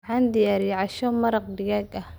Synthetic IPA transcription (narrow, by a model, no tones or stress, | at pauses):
ʕɑːnd̪ɪjaːɾiʕɑʃɔmɐɾɑqɖɪɣaːɡɐh